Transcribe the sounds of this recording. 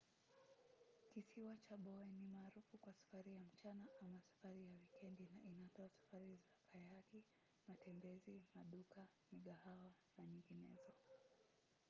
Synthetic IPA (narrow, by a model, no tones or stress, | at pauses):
kisiwat͡ʃaɓɔɛnimaːɾufukwasḁfaɾijam̩t͡ʃanaʔamasḁfaɾijawikɛndiinatɔasḁfaɾizakʰajaki | matɛmbɛzimaɗukamiɠahawanaɲiŋɡinɛ̰zɔ